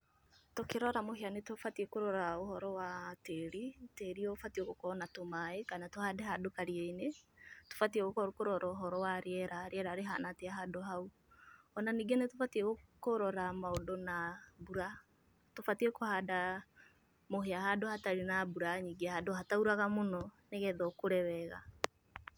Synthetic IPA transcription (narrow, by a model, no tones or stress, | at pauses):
tokeɾɔɾamoɦeanetofatiekoɾɔɾaohɔɾɔwateɾiteɾiɔfatieɣokɔnatomaekanatohaːdɛɦadokaɾiɛineto̥fatiɛɣokkoɾɔɾaoɦɔɾɔwaɾeɛɾaɾeɛɾaːɾeɦa̰nateaɦadoɦau | ɔnaniːɡenetofatiɛɣokoɾɔɾamaodɔnabuɾa | tofatiɛkohaːda | moɦeaɦadohataɾinabuɾaɲiɡehadoɦatauɾaɣamonɔneɣɛðɔkoɾɛwɛɣa̰